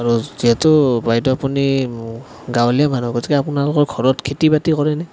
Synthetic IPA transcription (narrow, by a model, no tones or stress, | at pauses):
aɹuziɦɛtʊbajtɔapuni | ɡawlijamanuɡɔtʰikɛapunalʊkɔɹɡʰʱɔɹɔtkʰitibatikɔɹɛnɛ